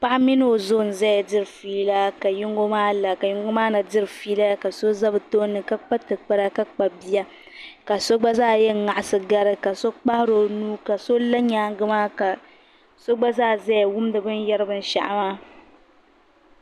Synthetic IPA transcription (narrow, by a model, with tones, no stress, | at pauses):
k͡pa˦ʔa˦mi˦nɨ˦o˨zo˦˨n̩˨zɛ˦ja˨dɪ˦ɾɨ˨fiː˦la˦ka˨jʊ˦ŋɡo˦maː˦la˨ka˨jʊ˦ŋɡo˦maː˦na˨dɪ˦ɾɨ˨fiː˦la˦ka˨so˦za˦bɨ˨to˦nːɨ˨ka˦k͡pa˦tɨ˨k͡pa˦ɾa˦ka˦k͡pa˨bi˦ja˦ | ka˨so˦ɡ͡ba˦zaː˦˨jɛ˦˨ŋa˨ʔa˨sɨ˨ɡa˦ɾɨ˦ka˨so˦k͡pa˦hɾo˨nuː˦ka˨so˦la˦ɲaː˦ŋɡɨ˦maː˦ka˨ | so˦ɡ͡ba˦zaː˦˨zɛ˦ja˨wʊ˦m˦dɨ˨bɨ˦njɛ˦ɾɨ˦bɨ˦n̩˦ʃa̰˨ʔa̰˨maː˦